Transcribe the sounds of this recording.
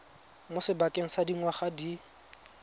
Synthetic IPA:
mʊsɪbakʼeŋ̩sadiŋwaχadi

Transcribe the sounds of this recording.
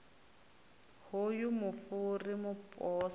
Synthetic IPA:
hojumʊfʊrimʊpʼɔːs

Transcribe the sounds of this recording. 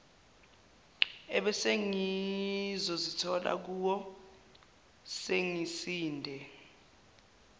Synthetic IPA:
ɛɓɛseŋi | zɔzitʰɔla̰k̬uwɔ | seŋisiːndʱɛ

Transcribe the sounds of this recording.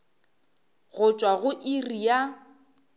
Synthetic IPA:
ɣʊt͡ʃʼwaɣʊʔirija

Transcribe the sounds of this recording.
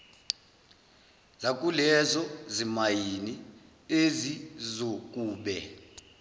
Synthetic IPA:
zak̬ʼulɛzɔzimajini | ezizokʼuːɓɛ

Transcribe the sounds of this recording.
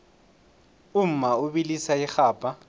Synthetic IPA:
ʊm̩maʊbilisaɪχaːpʼa

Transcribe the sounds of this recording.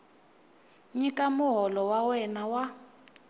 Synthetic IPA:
ɲikʼamʊɦɔlɔwawɛnawa

